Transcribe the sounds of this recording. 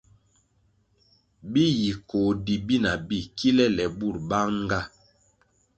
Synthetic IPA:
bi˦ji˨ko˨di˨bi˦na˨bi˦˨ki˦lɛ˦lɛ˨bu˦˨ɾba˦ŋ˦ɡa˦˨

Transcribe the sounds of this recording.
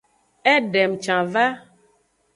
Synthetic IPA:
ɛ˦ɖɛ˨mt͡ʃã˨va˦

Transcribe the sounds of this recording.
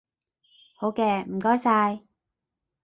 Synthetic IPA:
ho˨˧˥wkɛː˧m̩˨˩kɔː˥jsaː˧j

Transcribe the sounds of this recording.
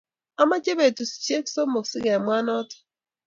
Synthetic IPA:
a˦ma˦t͡ʃe˦be˨tu˨si̥˨t͡ʃi˦e˦kso˦mo˨ksi˦ɣe˨mʷa˦nɔ˦tɔ̥˨˦

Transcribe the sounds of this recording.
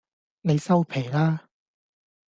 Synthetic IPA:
ne˨˧jsɐ˥wpʰe˨˩jlaː˥

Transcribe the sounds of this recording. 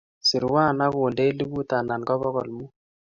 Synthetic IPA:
si˨ɾwa˦˨na˦βu˨nde˦li˦βu˦ta˨na˨nɡɔ˦βɔ˦ɣɔ̰˨lmu˦

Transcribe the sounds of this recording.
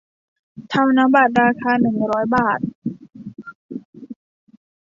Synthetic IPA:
t̪ʰa˧mna˦˥mbaː˨˩t̪̚ɾaː˧kʰaː˧nɯ˨˩ŋɾɔː˦˥jbaː˨˩t̪̚

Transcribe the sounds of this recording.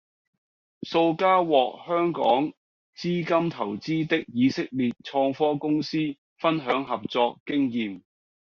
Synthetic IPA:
so˧wkaː˥wɔː˨k̚hœː˥ŋkɔ̰ː˨˥ŋ | t͡siː˥kɐ˥mt̪ʰɐ˨˩wt͡siː˥t̪ɪ˥k̚jiː˨˧sɪ˥k̚liː˨t̚t͡ʃʰɔː˧ŋfɔː˥kʊ˥ŋsiː˥ | fɐ˥nɦœː˨˥ŋɦɐ˨p̚t͡sɔː˧kːɪ˥ŋjiː˨m

